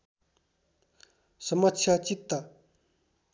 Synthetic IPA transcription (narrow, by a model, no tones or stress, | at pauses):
səmat͡ɕʰat͡ɕik̚t̪ə